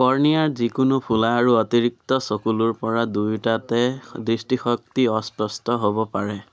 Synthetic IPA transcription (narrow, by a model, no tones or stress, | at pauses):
kɔɹnijaɹzikunʊpʰulaːɹuɔt̪iɹik̚t̪ɔsokuluɹpɔɹadujtatɛdɹistixɔk̚t̪iɔspɔstɔɦobɔpaɹɛ